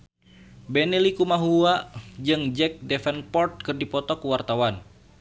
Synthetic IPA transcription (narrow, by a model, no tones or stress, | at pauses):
bɛnilikumaɦuad͡ʒɨŋd͡ʒɛk̚dɛfɛnpɔrt̪̚kɨrdipɔt̪ɔkuwart̪awan